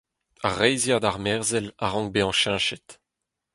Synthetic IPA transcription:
aʁɛjzjad̪aʁmɛʁzɛlaʁɑ̃ŋkbeɑ̃ʃɛ̃ʃɛt̪

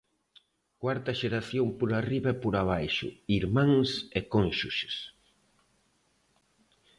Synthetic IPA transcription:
kwaɾt̪ɐʃeɾaθjompoɾariβɐɛpoɾaβajʃʊ̰iɾmãŋsekõnʃuʃe̥s

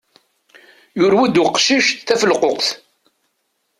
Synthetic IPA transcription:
jʊɾwæd̪ʊqʃiʃt̪θæfəlqoqθ

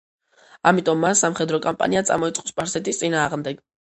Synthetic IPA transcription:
amit̪ʼɔmːansamχɛd̪ɾɔkʼampʼa̰niat̪sʼa̰mɔit̪sʼɔspʼaɾsɛt̪ʼist̪sʼinaːʁmd̪ɛɡ̥

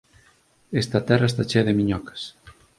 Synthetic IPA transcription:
est̪ɐt̪ɛraest̪at͡ʃeðemiɲɔkḁs

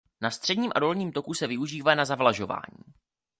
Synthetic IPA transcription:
nast̪r̥ɛdɲiːmʔa̰do̞lɲiːmt̪o̞kusɛvɪuʒiːvanazavlaʒo̞va̰ːɲḭː

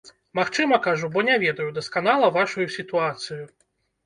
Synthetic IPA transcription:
maxt͡ʂɨmɐkaʐubɔnʲavʲɛd̪ɐjud̪ɐskanalˠɐvaʂujusʲit̪uat̪sɨju

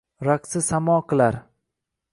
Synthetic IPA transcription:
ɾaqsɪsamɒːqʰɨlˠaɾ

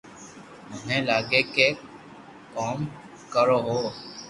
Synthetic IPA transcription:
mʊɦẽːlaːɡeːkeː | kɔːm | kəɾoːɦoː

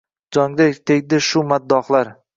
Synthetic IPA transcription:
d͡ʒɒŋd̪at̪ʰeɡʲd̪ɪʃʊmad̪ːɒχlaɾ

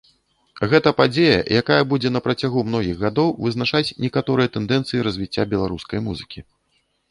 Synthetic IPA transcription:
ɣɛt̪ɐpad͡zʲejɐ̰jakajɐbud͡zʲɛnɐpɾɐt͡sʲaɣumnɔɣʲiɣɣad̪ɔwvɨzn̪at͡ʂat͡sʲnʲɛkat̪ɔɾɨjɐt̪ɛnd̪ɛnt̪sɨjiɾɐzʲvʲit͡sʲːabʲɛlˠaɾuskɐjmuzɨkʲi

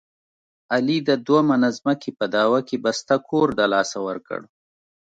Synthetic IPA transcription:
alid̪əd̪wamanazməkepəd̪ɑwakebast̪akʰoɾd̪alɑsawəɾkə̰ɽ

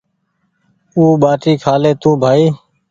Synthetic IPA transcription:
uːɓaːʈiːkʰaːleːt̪ũːbʱaːiː

